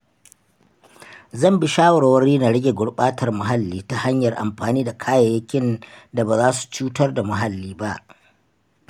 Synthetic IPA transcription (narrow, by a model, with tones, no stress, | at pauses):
zɐ˦˨mbɪ˦ʃaː˦wɐ˨ɾa˨wɐ˦riː˦na˨ɽɪ˦ɡʲe˨ɡʷʊ˨ɽɓaː˦tʰɐ˨rmʊ˨ɦa˦lːiː˦ta˦ha˦ɲjɐ˨rʔa̰˨mɸaː˨niː˦da˨kʰaː˦ja˨jɐ˦kʲɪ˦nda˨baː˨zaː˦su̥˨t͡ʃuː˦tɐ˦rda˨mʊ˨ɦa˦lːiː˦ba˦ʔ